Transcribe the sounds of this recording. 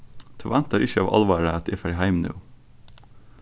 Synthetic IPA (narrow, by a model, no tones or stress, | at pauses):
t̪ʰɑʋænt̪əɾɪçəɑ̰ːʋʔɑ̰lʋɑːɾəɛt̪ɪfæɾhæɪmnʉ̰ː